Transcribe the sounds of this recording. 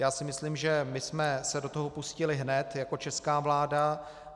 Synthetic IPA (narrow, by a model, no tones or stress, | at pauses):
jaːsɪmɪsliːmʒɛmɪsmɛsɛdo̞t̪oɦo̞puscɪlɪɦnɛt̪jako̞t͡ʃɛskaːvlaːda